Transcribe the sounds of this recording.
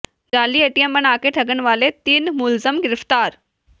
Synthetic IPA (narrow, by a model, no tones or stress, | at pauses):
d͡ʒaːliːeːʈijəmbɐnaːkeʈʰɐɡəñ̆ʋaːlet̪iːnmʊlzəmɡɪɾɪft̪aːɾ